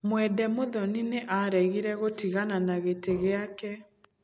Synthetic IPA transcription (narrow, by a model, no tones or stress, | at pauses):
mwɛdɛmoðɔnineʔaɾɛɣiɾɛɣotiɣananaɣeteɣeakɛ